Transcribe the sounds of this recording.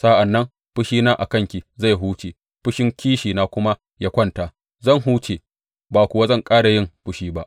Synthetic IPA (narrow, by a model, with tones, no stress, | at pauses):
sa˦ʔa˨nːɐ˦m | ɸʊ˦ʃiː˦naː˦ʔa̰˨kɐ˦˨ŋkʲi˨za˦˨jɦuː˦t͡ʃeː˨ | ɸʊ˦ʃɪ˦ŋkʲiː˦ʃiː˨naː˦kʷʊ˦ma˦ | ja˦kʷɐ˦nta˨ | zɐ˦˨ŋɦuː˦t͡ʃe˨ | baː˨kʷʊ˨wa˦zɐ˦˨ŋkʼaː˦ɽa˨jɪ˦˨mɸʊ˦ʃiː˦ba˦ʔ